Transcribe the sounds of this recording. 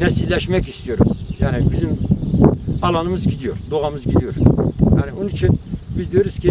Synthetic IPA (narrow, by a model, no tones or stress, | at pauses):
nɛsilːɛʃmɛcist̪ʰijoɾuz̥jaːnibizim | ɑlˠɑnɯmɯzɟid̪ijoɾd̪oɣɑmɯzɟid̪ijoɾjaːniʔonnit͡ʃʰinbizd̪ijoɾuz̥cʰi